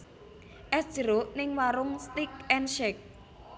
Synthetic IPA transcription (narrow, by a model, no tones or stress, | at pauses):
ʔɛsd̥ʒ̥əɾoʔnɪŋwaɾʊŋst̪ik̚ɛnʃɛk̚